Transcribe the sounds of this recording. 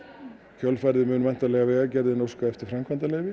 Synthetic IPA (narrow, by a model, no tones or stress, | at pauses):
çʰœlfajɾðɪmʏːnʏmajn̥t̪alɛːɣavɛːɣacɛɾðɪnowskaɛft̪ɪɾ̥fɾamkʰant̪alejvɪ